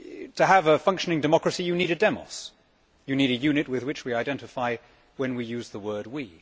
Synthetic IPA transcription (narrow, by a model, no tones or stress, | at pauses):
tʰɨəvəfʌ̃ŋkʃɨnɪ̃ŋdɨmɑkɹɨsijɨniɾɨdɛmɔ̰s | jɨniɾɨjʉnɨt̚wɨðwɨt͡ʃwiaɪdɛ̃ntɨfaɪ | wɨ̃nwijʉzðəwɜ˞d̚wḭ